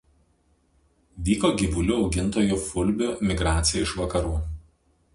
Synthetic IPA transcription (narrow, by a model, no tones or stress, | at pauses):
ʋʲiːkoːɡʲɪʋʊlʲʊɒʊɡʲɪnt̪oːjʊfʊlʲbʲʊmʲɪɡɾɑːt̪sʲɪjɛɪʃʋɐkɐɾuː